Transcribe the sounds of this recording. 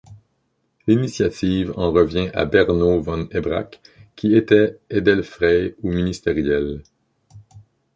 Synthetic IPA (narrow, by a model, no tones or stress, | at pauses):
linisjat̪iːvɑ̃ʁəvjɛ̃ʔa̰bɛʁnovɑ̃nebʁa̰kʲʰːiet̪ɛed̪ɛlfʁɛuminist̪eʁjɛl